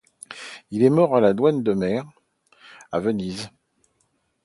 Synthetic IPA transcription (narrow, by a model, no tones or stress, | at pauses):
ilɛmɔʁalad̪wand̪əmɛʁ | a̰vəniz